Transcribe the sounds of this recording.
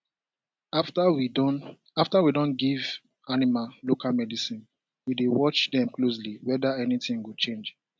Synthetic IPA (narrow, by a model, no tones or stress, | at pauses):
w | aftawidõnɡiv | animallokalmɛdisĩn | widewɔt͡ʃdɛ̃mklos̬liwɛdaɛnitĩŋwut͡ʃẽnd͡ʒ